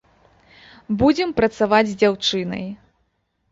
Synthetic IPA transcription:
bud͡zʲɛmpɾɐt̪savad͡zʲzʲd͡zʲawt͡ʂɨnɐ̰j

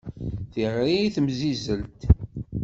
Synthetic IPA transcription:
θiʁiθəmzizəlt̪

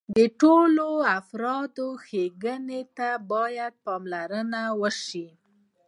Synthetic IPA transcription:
d̪əʈoloafɾɑd̪oxeɡənet̪abɑjad̪̚pɑmlaɾənawəʃi

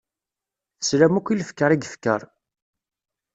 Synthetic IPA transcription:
θə̥sɾæmukʷːiləfkːəɾˤiɡfkːə̰ɾˤ

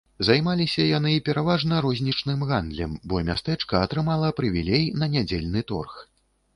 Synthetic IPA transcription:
zajmalʲisʲɐjan̪ɨpʲɛɾavaʐnɐɾɔzʲnʲit͡ʂnɨmɣand̪lʲɛmbɔmʲa̰st̪ɛt͡ʂkɐːt̪ɾɨmalˠɐpɾɨvʲilʲejnɐnʲad͡zʲelʲnɨt̪ɔ̰rx

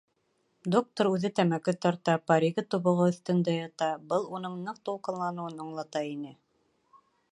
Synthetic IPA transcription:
d̪ok̚t̪oɾʉðɘt̪æmækɘt̪ɒɾt̪ɑpɑɾʲiɡɘt̪uβŏʁɤɵ̆θt̪ɵ̆nd̪æjɑt̪ɑbɤlˠunɤɴnɤq̚t̪uqɤ̆nlˠɑnɤ̆wɤnɑɴlˠɑt̪ɑinɘ

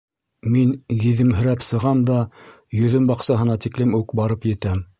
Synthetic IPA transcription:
minjĭðɘ̆mɦɘ̆ɾæpsɤ̆ʁɑmd̪ɑ | jɵ̆ðɵmbɑqsɑɦɤ̆nɑt̪iklɘmʉkbɑɾɤpjɘ̆t̪æm

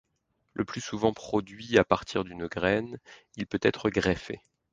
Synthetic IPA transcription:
lʔəplysuvɑ̃pχɔd̪ɥiapaʁt̪ʰiʁd̪ynɡʁɛn | ilpøt̪ɛt̪χəɡʁefḛ

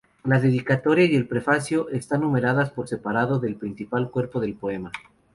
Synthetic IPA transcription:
laðe̞ðikat̪o̞ɾjaje̞lpɾe̞fasjo̞ʔe̞st̪anːũme̞ɾaðaspo̞ɾse̞paɾaðo̞ðe̞lpɾinsipalkwe̞ɾpo̞ðe̞lpo̞e̞ma

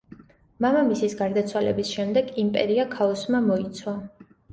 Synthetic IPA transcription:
mamamisisɡaɾd̪at̪sʰwalɛ̰bisʃɛmd̪ɛɡimpʼɛ̰ɾiakʰaɔsmamɔit̪sʰwa

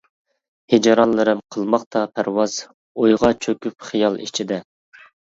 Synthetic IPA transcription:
hed͡ʒɑɾɑnlːˠɨɾɨmqʰəlˠmɑqt̪ʰɑpʰæɾwɑz̥ | ojʁɑt͡ʃʰøkʲypχijɑlˠḭt͡ʃʰid̪ɛ

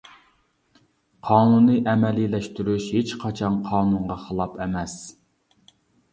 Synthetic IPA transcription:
qʰɑːnunːɨʔɛmɛlilɛʃt̪yɾyʃhet͡ʃqʰɑt͡ʃʰɑnqʰɑːnuɴʁɑχəlˠɑpɛmɛs

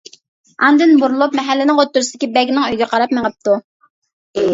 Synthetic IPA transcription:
ɑnd̪ɨnbuɾulˠupmɛɦælːɪnɪŋot̪ːuɾsd̪ɪkʲibɛɡʲnɪŋøjɡʲɛqʰɑɾɑpmeŋəp̚t̪u

